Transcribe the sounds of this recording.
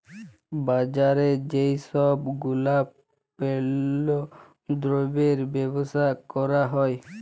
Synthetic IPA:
bad͡ʒaɾed͡ʒejsɔbɡulab | pelo | d̪ɾobeɾbebosakɔɾaɦɔj

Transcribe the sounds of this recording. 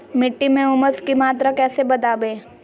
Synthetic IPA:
mɪʈːimẽʊməskimaːt̪̬ɾakɛːsebɐd̪aːbeː

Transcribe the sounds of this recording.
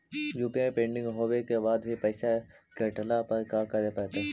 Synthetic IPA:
juːpiajpẽːɳɖɪ̃ŋɡɦoːwekebaːd̪bʱipɛɪsa | keʈlapɐɾkakɐɾepɛːt̪eɦ

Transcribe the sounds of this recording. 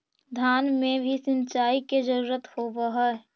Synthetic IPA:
d̪ʱjaːnmẽbʱisɪ̃nt͡ʃaːiked͡ʒəɾuːɾət̪hobəɦɔɛ

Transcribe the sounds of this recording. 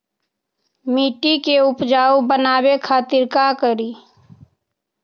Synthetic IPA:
miːʈikeʊpd͡ʒaːubənaːbekʰaːt̪ɪɾkakəɾiː

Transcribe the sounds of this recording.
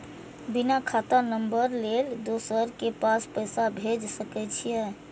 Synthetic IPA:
binakʰat̪anəmbəɾleld̪osəɾkepaspəjsabʱed͡ʒsəkɛt͡ʃʰije

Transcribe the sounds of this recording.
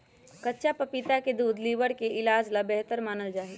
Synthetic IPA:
kɐtːʃapɐpɪt̪aked̪uːd̪liːʋəɽkeʔɪlaːd͡ʒlabɛɦt̪əɾmaːnəld͡ʒaːi

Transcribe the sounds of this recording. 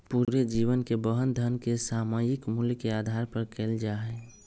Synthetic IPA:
puɾed͡ʒiːʋənkebəɦənd̪ʱənkesaːmad͡ʒɪkmulkeaːd̪ʱaːɾpəɾkʰeːld͡ʒaːɦɛ

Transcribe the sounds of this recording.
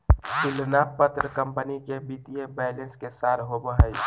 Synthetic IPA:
sɪlnapət̪ɾəkəmpənikebit̪iebɛːɪlẽnskesaːɾɦobəɦəj

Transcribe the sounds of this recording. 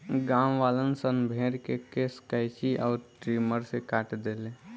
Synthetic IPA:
ɡaːmʋaːlənsənbʱeːɾkekeskaɪt͡ʃiʔɔːɾʈɾiːməɾsekaːʈd̪eːle

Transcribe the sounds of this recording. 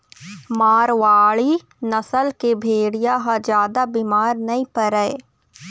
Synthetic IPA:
maːɾʋaːɭi | nɐsəlkebʱeːɽijaɦãd͡ʒjaːd̪abiːmaːɾnɐĩpɐɾɛe

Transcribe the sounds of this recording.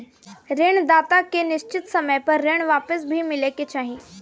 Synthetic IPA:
ɾeːɳ̃d̪aːt̪akenɪʃt͡ʃɪt̪sɐməjpɐɾːeːɽ̃ʋaːpəsbʱimɪleket͡ʃaːɦi

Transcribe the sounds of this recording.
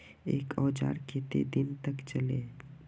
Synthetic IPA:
eːkʰɔːd͡ʒa̰ːɾkʰeːt̪ḛd̪ɪnt̪əkt͡ʃəleː

